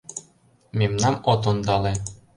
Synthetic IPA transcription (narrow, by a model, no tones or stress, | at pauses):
mʲemnɑmot̪̬ond̪ɑle